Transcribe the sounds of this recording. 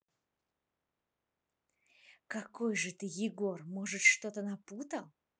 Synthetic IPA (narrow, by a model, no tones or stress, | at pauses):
kɐkojʐɨt̪ɨjɪɡo̞rmoʐɨt̪ʂt̪ot̪ənɐput̪əlˠ